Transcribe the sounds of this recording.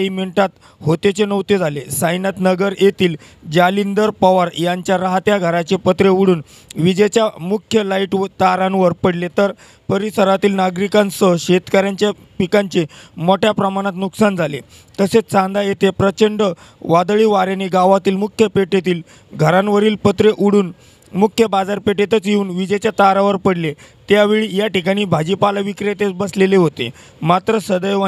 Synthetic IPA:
imiɳʈat̪ | hot̪et͡ɕenəʋt̪ed͡zʱalesajnat̪nəɡəɾjet̪iːl | d͡ʑalind̪əɾpaʋaɾjaɲt͡ɕjaɾaɦat̪jaɡʱəɾat͡ɕepət̪ɾeʋuɽuːn | ʋid͡ʑet͡ɕjamukʰjəlaiʈʋt̪aɾãnʋəɾpəɽlet̪əɾ | pəɾisəɾat̪iːlnaɡɾikãnsəɕet̪kaɾjaɲt͡ɕja | pikaɲt͡ɕemoʈjapɾəmaɽ̃at̪nuksand͡zʱale | t̪əset͡sãnd̪ajet̪epɾət͡ɕəɳɖə | ʋad̪ɭiːʋaɾjaneɡaʋat̪iːlmukʰjəpeʈet̪iːl | ɡʱəɾanʋəɾiːlpət̪ɾeʔuɽuːn | mukʰjəbad͡zaɾpeʈet̪ət͡sjeuːnʋid͡ʑet͡ɕjat̪aɾaʋəɾpəɽle | t̪jaʋeɭijaʈikaɽ̃iːbʱad͡ʑipalaʋikɾet̪et͡sbəsleleɦot̪ḛ | mat̪ɾəsəd̪əjʋa

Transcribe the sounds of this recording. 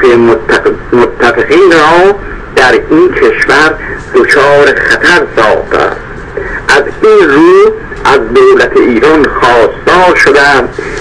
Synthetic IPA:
e | mot̪ʰːæfeɣiːnɾɒː | d̪̥æɾinkʰeʃvæɾd̪ot͡ʃʰɒːɾeχæt̪ʰæɾsɒ̰ːχt̪ʰæ̰d̪ | ʔæzinruː | ʔæzd̪owlæt̪ʰeʔiːɾɒnxɒːst̪ɒːɾʃod̪æmd̪̥

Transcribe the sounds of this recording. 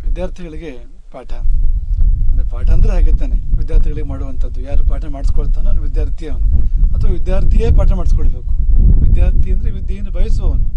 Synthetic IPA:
ʋid̪jaːɾt̪ʰiɡɐɭiɡe̞ | paːʈʰɐ | paːʈɐɐnd̪ɐɾeɦaːɡid̪ːaːneʋid̪jaːɾt̪ʰiɡɐɭiɡemaːɽuʋɐnt̪ʰɐd̪ːujaːɾupaːʈɐmaːɽisi̥koɭt̪ːaːnɐːnuʋid̪jaːɾt̪ʰijɐɐt̪ʰʋɐʋid̪jaːɾt̪ʰijeːpaːʈɐmaːɽisi̥koɭbeːku̥ʋid̪jaːɾt̪ʰijɐnd̪ɾeʋid̪jeːnubʱɐjɐson

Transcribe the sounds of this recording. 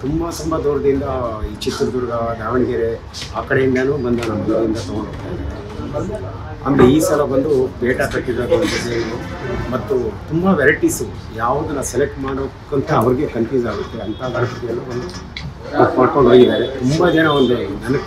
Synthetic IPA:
t̪umbɐt̪umbɐd̪oːɾɐd̪ind̪ɐiːt͡ʃit̪ːɾɐd̪uɾɐɡɐd̪aːʋɐɳiɡeɾe | aːkɐɽeind̪ɐnuːbɐnd̪ɐnɐmːɐlɐd̪ind̪ɐt̪ɐɡoɳoːɡt̪ːa | ɐ̰mɾeiːsɐlɐbɐnd̪ubɛːʈɐt̪ɐʈːid̪aːkeɐnt̪ɐd̪eiumɐt̪ːut̪umbɐʋɛɾɐʈisu | jaːʋud̪unɐsɛlek̚ʈmaːɽoːkːɐnt̪ʰɐːʋɐɾiɡe̞pʰɐnpiːzaːɡut̪ːeɐnt̪ʰad̪aːɾɐkɐt̪ijɐlːuond̪u | opːmaːɽkoɳɖʱɦoːɡid̪aːɾet̪umbɐd͡ʒɛnɐond̪eenɐnɐ

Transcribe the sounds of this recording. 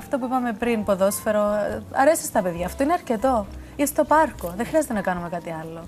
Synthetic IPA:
ɐft̪opuipɐme̞pɾinpo̞ðo̞sfe̞ɾoɐ̰ɾe̞si̥st̪ɐpe̞ðʝɐːft̪oineɐɾce̞t̪o̞ | ist̪o̞pɐɾko̞ðexɾiɐzet̪enɐkɐnume̞kɐt̪iɐlːo̞

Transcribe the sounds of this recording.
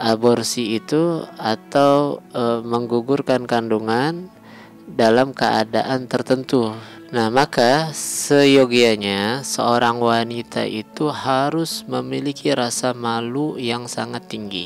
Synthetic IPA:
ʔabɔrsiːt̪uat̪awəməŋɡuɡurkankanduŋan | dalamkəa̰daʔant̪ərt̪ənt̪u | nahmakasəjoɡiaɲasəoɾaŋwanit̪a̰ʔit̪uhaɾʊsməmilikʰiɾasamalujaŋsaŋat̪ːiŋɡḭ

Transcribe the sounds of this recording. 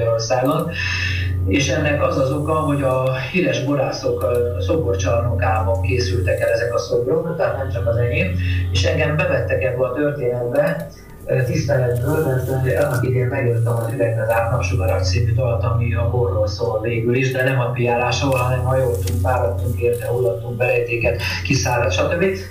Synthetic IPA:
ɾo̞rsaːɡon | eːʃɛnːɛkɒzɒzo̞kɒɦo̞ɟɒhiɾɛʒboɾaːso̞kso̞bort͡ʃɒmokaːbɒŋkeːsylt̪ɛkɛlɛzɛkɒsoboɾoknɔt̪ɛɦat̪nɛmt͡ʃɒkɒzɛɡeːmeːʃɛŋɡɛmbɛt̪ɛt̪ːɛkɛbːøɒt̪ørt̪eːnɛd̪bɛ | t̪ist̪ɛlɛd̪bøːlmɛrt̪ɛɒnɒpid̪eːmmɛɡjøt̪ːɛmɒziɾɛɡbɛzaːrnɒpʃuɡɒɾɒkt̪siːmyt̪ɒlt̪ɒmiɒborːoːlsoveːɡyliʒd̪ɛnɛmɒpijaːlaːʃolɦɒnɛmɒjolt̪uŋkʋaːlɔt̪ːuŋkeːrt̪ɛɦolːɒt̪ːuŋk̚bɛlɛjt̪eːkɛt̪kisaːlɒt̪ʃɒt̪øbːi

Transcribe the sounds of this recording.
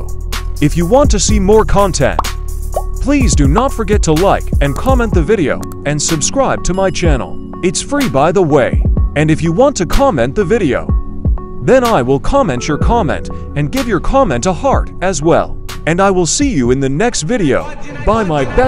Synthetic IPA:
ɨfjɨwɑ̃ntʰɨsimɔɹkʰɑ̃ntʰɛ̰̃nt | pʰl̥izdɨnətfə˞ɡɛtʰəlaɪkɨ̃nkʰɑmɛ̃nðɨvɪɾio̰ʊ | ɨ̃nsɨbskɹaɪb̚tʰɨmaɪt͡ʃʰænl̩ˠ | ɨtsfɹibaɪðəweɪɨ̃nɨfjɨwɑ̃ntʰɨkʰɑmɛ̃nðɨvɪɾio̰ʊ | ðɨ̃naɪwɪlˠkʰɑmɛ̃nt͡ʃə˞kʰɑmɛ̰̃ntɨ̃nɡɪvjə˞kʰɑmɛ̃ntəhɑɹɾɨzwɛ̰lˠ | ɨ̃naɪwɪlˠsijɨɨ̃nðɨnɛkstvɪɾioʊ | baɪmaɪbɛ

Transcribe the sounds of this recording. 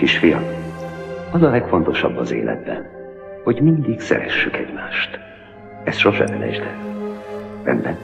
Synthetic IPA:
kiʃfijɒ | ɒzɒlɛkfo̞nt̪o̞ʃɒbːɒzḛːlɛ̰d̪̚bɛn | ho̞ɟmind̪iksɛ̰ɾɛʃːykɛɟmaːʃt̪ | ɛsʃoʃɛmɛnɛʒd̪ɛ | vɛ̰nbɛn

